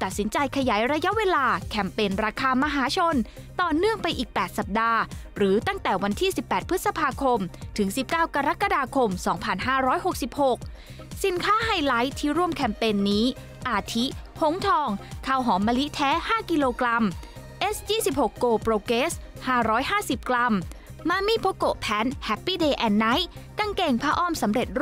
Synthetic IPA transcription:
t̪a˨˩t̪̚si˩˦nt͡ɕa˧jkʰa˧jaː˩˦jɾa˧ja˦˥ʔweː˧laː˧kʰɛ˧mpeː˧nɾaː˧kʰaː˧ma˧ɦaː˨˩˦t͡ɕʰo˧n | t̪ɔː˨˩nɯ˥˩əŋpa˧jʔiː˨˩k̚pɛː˨˩t̪̚sa˨˩p̚daː˧ɾɯː˩˦t̪a˥˩ŋt̪ɛː˨˩wa˧nt̪ʰiː˥˩si˨˩pːɛː˨˩t̪̚pʰɯ˦˥t̪̚sa˧pʰaː˧kʰo˧mt̪ʰɯ˩˦ŋsi˨˩p̚kaː˥˩wkaː˧ɾa˦˥kːa˧daː˧kʰo˧msɔː˩˦ŋpʰa˧nɦaː˥˩ɾɔː˦˥jɦo˨˩k̚si˨˩p̚ho˨˩k̚ | si˨˩˦nkʰaː˦˥ɦaː˧jla˦˥jt̪ʰiː˥˩ɾu˥˩əmkʰɛ˧mpeː˧nːiː˦˥ | ʔaː˧˩t̪ʰi˦˥ho˨˦˥ŋt̪ʰɔː˧ŋkʰaː˧˩wɦɔː˩˦mːaː˧li˦˥t̪ʰɛː˦˥haː˥˩ki˧loː˧kla˧m | ʔe˦˥sjiː˥˩si˨˩p̚ho˨˩kːoː˧pɾoː˧keː˦˥s | haː˥˩ɾɔː˦˥jhaː˥˩si˨˩p̚kla˧mː | aː˧miː˧˥˩pʰo˦˥ko˨˩ʔpʰɛː˨˥nhɛ˦˥pːiː˥˩deː˧ʔɛː˧nːa˦˥jka˧ŋkeː˧˩ŋpʰaː˧ʔɔː˥˩msa˩˦mɾe˨˩t̪̚ɾ

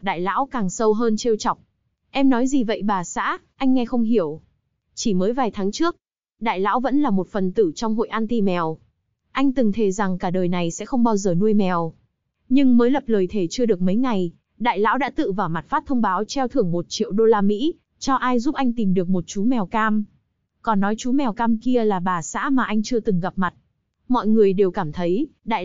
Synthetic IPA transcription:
ɗa̰ː˧˨jla̰ː˧˥wkaː˨˩ŋsə˧wɦəː˧nt͡ɕe˧wt͡ɕɔ˨˩wk͡p̚ | ʔɛ˧mnɔ˨˦jzi˨˩və̰˧˨jɓaː˨˩sa̰ː˧˥ʔa˧jŋ̟ːɛ˧xə˧wŋ͡mɦi˧˩əw | t͡ɕi˧˩məː˨˦jvaː˨˩jt̪ʰaː˨˦ŋt͡ɕɨ˦˥ək̚ | ɗa̰ː˧˨jla̰ː˧˥wvə̰˧˥nlaː˨˩mo˨˩t̚fə˨˩nt̪ɨ˧˩t͡ɕwŋ͡mɦo̰˧˨jʔaː˧nt̪i˧mɛ˨˩w | ʔa˧jŋ̟t̪ɨ˨˩ŋt̪ʰe˨˩za˨˩ŋkaː˧˩ɗəː˨˩jna˨˩jsɛ̰˧˥xə˧wŋ͡mɓaː˧wzəː˨˩nu˧əjmɛ˨˩w | ɲɨ˧ŋməː˨˦jlə˨˩p̚ləː˨˩jt̪ʰe˧˩t͡ɕɨ˧əɗɨ˨˩ək̚mə˨˦jŋa˨˩j | ɗa̰ː˧˨jla̰ː˧˥wɗa̰ː˧˥t̪ɨ̰˧˨vaː˨˩wma˨˩t̚faː˦˥t̚t̪ʰə˧wŋ͡mɓaː˨˦wt͡ɕɛ˧wt̪ʰɨ˧˩əŋmo˨˩t̚t͡ɕḭ˧˨əwɗo˧laː˧mḭ˧˥ | t͡ɕɔ˧ʔaː˧jzu˦˥p̚ʔa˧jŋ̟t̪i˨˩mɗɨ˨˩ək̚mo˨˩t̚t͡ɕu˨˦mɛ˨˩wkaː˧m | kɔ˨˩nːɔ˨˦jt͡ɕu˨˦mɛ˨˩wkaː˧mki˧əlaː˨˩ɓaː˨˩sa̰ː˧˥maː˨˩ʔa˧jŋ̟t͡ɕɨ˧ət̪ɨ˨˩ŋɣa˨˩p̚ma˨˩t̚ | mɔ̰˧˨jŋɨ˨˩əjɗe˨˩wkaː˧˩mt̪ʰə˨˦jɗa̰ː˧˨j

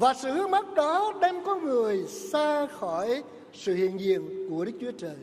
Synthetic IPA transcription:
vaː˨˩sɨ̰˧˨hɨ˨˧˦əŋma˦˥t̚ɗɔ˨˦ɗɛ˧mkɔ˨˦ŋɨ˨˩əjsaː˧xɔ˧˩j | sɨ̰˧˨hḭ˧˨ənzḭ˧˨ənku˧˩əɗɨ˦˥k̚t͡ɕu˨˦ət͡ɕəː˨˩j

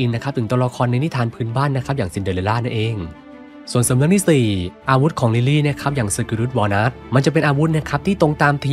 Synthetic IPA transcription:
ʔi˧nːa˦˥kʰa˦˥pt̪ʰɯ˩˦t̪u˧ɾa˧kʰɔː˧nːa˧jni˦˥t̪ʰaː˧npʰɯː˦˥nbaː˥˩nːa˦˥kʰa˦˥p̚jaː˨˩ŋsi˨˩ndɯ˨˩le˧laː˥˩na˥˩nʔeː˧ŋ | su˨˩ənsa˨˦na˧˥ŋt̪ʰiː˥˩siː˨˩ʔaː˧wu˦˥t̪̚kʰɔː˩˦ŋli˧liː˥˩n˥˩kʰa˦˥p̚jaː˨˩ŋsɯ˨˧˩kɯ˧ɾu˦˥t̪̚wɔː˧naː˦˥t̪̚ma˧nt͡ɕa˨˩pe˧nʔaː˧wu˦˥t̪̚na˦˥kʰa˦˥p̚t̪ʰiː˥˩t̪o˧ŋt̪aː˧mt̪ʰa˧

